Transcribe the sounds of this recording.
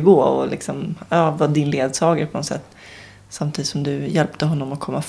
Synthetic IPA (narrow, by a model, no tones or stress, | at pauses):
ɡoːɔ̰lɪ̰ksɔmɑvɑd̪ɪnleːd̪sɑːɡaɾpʰɔnɔt̪sɛ̰t̪ː | samt̪ʰiːd̪t̪sɔmd̪ɵjɛlpt̪əɦɔnːɔmɔkʰɔmːaf